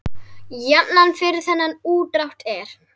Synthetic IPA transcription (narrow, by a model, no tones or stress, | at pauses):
jɛpnanfɪɾɪɾ̥θɛnːanuːt̪ɾawht̪ɛɾ̥